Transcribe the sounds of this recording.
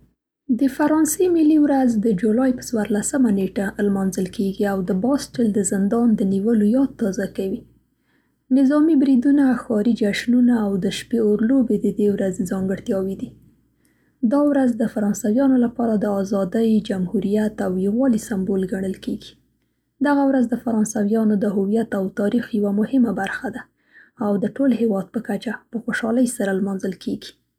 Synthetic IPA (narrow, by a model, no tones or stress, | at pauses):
d̪əfaɾɑnsemiliwɾazd̪əd͡ʒulɑjpə̥t͡swaɾlasəmaneʈalmɑnzəlkeɡiawd̪əbɑsʈɪld̪əzɪnd̪ɑnd̪əniwəlojɑd̪̚t̪ːɑzakawi | nɪzɑmibɾid̪unaxɑɾid͡ʒaʃnunaːwd̪əʃpeoɾlobed̪əd̪ewɾazzɑŋɡəɽt̪jɑwid̪i | d̪ɑwɾazd̪əfaɾɑnsawjɑnolapɑɾad̪əɑzɑd̪əjd͡ʒamhuɾijat̪awjiɣwɑlisambolɡaɳəlkeɡi̥ | d̪aɣawɾazd̪əfaɾɑnsawjɑnod̪əɦʊwijat̪awt̪ɑɾixjawamʊhɪmabaɾxad̪aː | wd̪əʈolhewɑd̪̚pəkat͡ʃapəxoʃɑləjsaɾalmɑnzəlkʰeɡi̥